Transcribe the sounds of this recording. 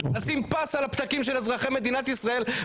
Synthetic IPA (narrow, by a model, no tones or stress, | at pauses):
asimpasalapt̪akimʃelazʁaχeme̞d̪inat̪isʁae̞l